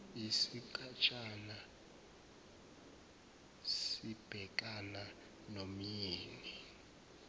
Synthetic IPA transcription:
isik̬ʼat͡ʃʼana | sib̥ʱɛk̬ʼana | nomjiːni

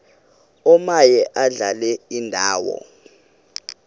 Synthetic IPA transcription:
ɔmajɛʔaɮalɛindʱaːwɔ̰

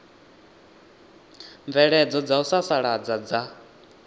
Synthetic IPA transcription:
ɱvɛɺɛd͡zɔd͡zausasaɺad͡zad͡za

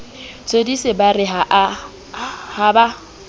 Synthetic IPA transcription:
t͡sʰodisɪbarɪɦaʔ | haba

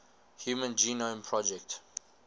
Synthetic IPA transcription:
hjuːmə̃nd͡ʒiːnõmpʰɹɔd͡ʒɛkt

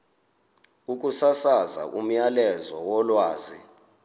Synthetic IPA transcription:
uk̬ʼusasaza̰ʔum̩jalɛzɔwɔlwaːzḭ

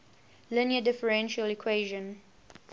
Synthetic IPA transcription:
lɪnjədɪfəɹɛ̃nʃəlikʰweʒə̃n

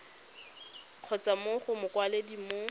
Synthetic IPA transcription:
q͡χʰɔt͡samʊχʊmʊkwaledimo

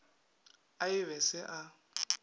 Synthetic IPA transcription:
aɪβɛsɪʔa

